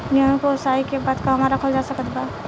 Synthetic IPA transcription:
jɐɦə̃kosaːikebaːd̪kaɦɐmaɾɐkʰəld͡ʒaːsəkət̪ʰba

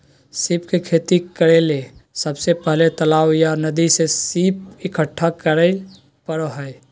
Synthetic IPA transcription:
sipkekʰet̪ikəɾelesəbsepəɦlet̪əlawjanəd̪isesipɪkʰəʈʰːakəɾəj | pəɾɦəj

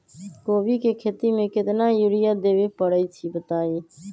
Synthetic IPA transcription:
koːʋiːkeːkʰeːt̪iːmẽːkɪt̪nãːjʊɽɪjaːd̪eːʋeːpəɽəiːt͡ʃʰiːbət̪aːiː

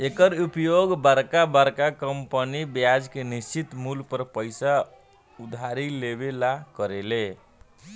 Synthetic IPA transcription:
ekəɾupjoɡbəɾkabəɾkakəmpənibjad͡ʒkenist͡ʃit̪mulpəɾpəɪsa | ud̪ʱaɾilebelakəɾele

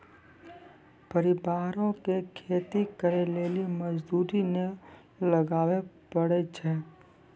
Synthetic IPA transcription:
pəɾɪbaːɾõkekʰeːt̪ikəɾeleːliməd͡ʒd̪uːɾine | ləɡaːʋepəɽet͡ʃʰɛ

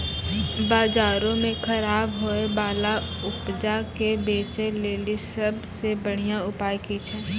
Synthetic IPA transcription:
baːzaːɾõmẽkʰɐɾaːbɦoebaːla | ʊpd͡ʒakebeːt͡ʃeleːlisɐbsebəɽ̤ijãʊpaːjkit͡ʃʰɛ̃ː

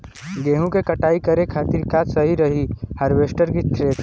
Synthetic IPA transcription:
ɡeːɦũkekɐʈaːikɐɾekʰaːt̪iɾkaːt̪sɐɦiɾɐɦihɐɾʋeːsʈəɾkist̪ɾeːt

